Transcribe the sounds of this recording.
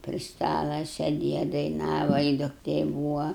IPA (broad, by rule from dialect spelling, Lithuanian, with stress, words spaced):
pʲrʲɪ ˈstɑːlˠɐ sʲɛˈdʲeːjɛ dɐɪˈnɑːʋɐ ɪ dʊkˈtʲeː ˈbuːʋɐ